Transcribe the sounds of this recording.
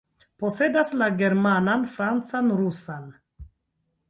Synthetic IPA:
posedaslaɡeɾmananfɾant͡sanɾusan

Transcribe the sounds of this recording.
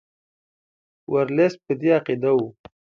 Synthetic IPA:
wʔaɾles̚pəd̪iaqid̪awu

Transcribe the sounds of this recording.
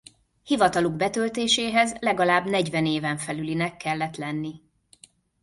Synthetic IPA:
hivɒt̪ɒluɡbɛt̪ølt̪eːʃeːɦɛzlɛɡɒlaːbnɛɟvɛneːvɛɱfɛlylinɛkːɛlːɛt̪lɛnːi

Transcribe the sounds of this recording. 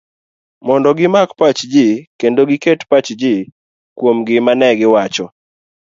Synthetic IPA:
mɔndɔɡɪmakpat͡ʃd͡ʒɪkendoɡɪketpat͡ʃd͡ʒɪ | kwomɡɪmanɛɡɪwat͡ʃɔ

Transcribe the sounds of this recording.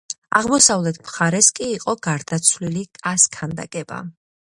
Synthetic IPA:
aʁmɔsavlɛt̪ʰmχaɾɛskʼiːqʼɔɡaɾd̪at̪sʰvlilikʼaskʰand̪a̰kʼɛba̰

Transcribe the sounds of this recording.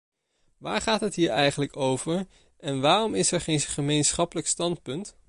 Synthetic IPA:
ʋa̰ːɹχaːtɦətɦiːɹɛjχənləkowvəɹ | ʔɛnʋaːrɔmɪsɛɹχejnχəmejnsχɑpələkstɑntpɵnt

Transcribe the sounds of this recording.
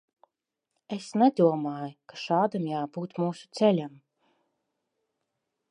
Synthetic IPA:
esnɛd̪uɔmaːjukḁʃaːd̪amjaːbuːt̪muːsu̥t̪sɛlʲam

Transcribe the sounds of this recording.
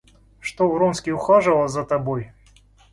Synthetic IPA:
ʂt̪ovɾɔnskʲiʊxaʐɨlˠəzɐt̪ɐboj

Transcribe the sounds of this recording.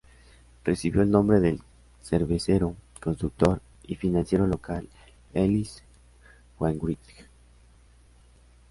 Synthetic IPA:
resiβjo̞elnõmbɾeðel | seɾβeseɾo | konst̪ɾuk̚t̪o̞ɾ | ifinãnsje̞ɾo̞lokal | elis | xwaŋɡwɾit̪k

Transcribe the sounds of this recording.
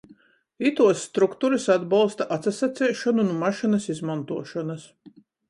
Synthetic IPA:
it̪uɔsːt̪ɾukt̪uɾisad̪balˠst̪aʔat̪sasat̪sɛːʃɔnunumaʃinɐsizmant̪uɔʃɔnas

